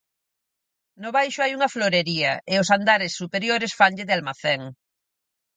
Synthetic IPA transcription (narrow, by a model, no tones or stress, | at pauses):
nʊβajʃʊajuŋɐfloɾeɾiɐʔɪʊsand̪aɾɪsːupeɾjoɾɪsfanʎɪðɪalmaθɛŋ